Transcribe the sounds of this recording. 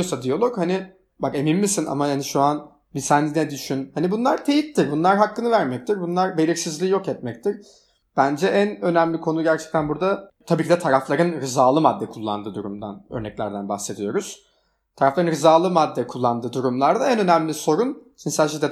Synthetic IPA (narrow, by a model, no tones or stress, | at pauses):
osad̪ijolˠo̞khani | bake̞minmisina̰mahaniʃuan | bisænd̪ʲinɛd̪yʃynhanibunlˠaɾt̪ʰe̞jit̪t̪ːiɾbunlˠaɾɦakːɯnɯvæɾmɛc̚t̪ʰiɾbunlˠaɾbe̞lʲiɾsizlʲiːjo̞kɛt̪̚mɛc̚t̪ʰiɾ | b̥ænd͡ʒɛʔænø̞næmlʲikʰo̞nuɟæɾt͡ʃʰɛ̥c̚t̪ʰænbuɾd̪at̪ʰabiːcʰid̪ɛt̪ʰaɾaflˠaɾɯnɾɯzaːlˠɯmad̪ːɛkʰulˠːa̰nd̪ɯːd̪uɾumd̪a̰nø̰ɾnɛclʲæ̰ɾd̪ænba̰xse̞d̪ijo̞ɾuz̥ | t̪ʰaɾaflˠaɾɯnɾɯzaːlˠɯmad̪ːɛkʰulˠːand̪ɯːd̪uɾumlˠaɾd̪aɛnø̞næmlʲiso̞ɾunt͡ʃʰinsælʲʃid̪ɛ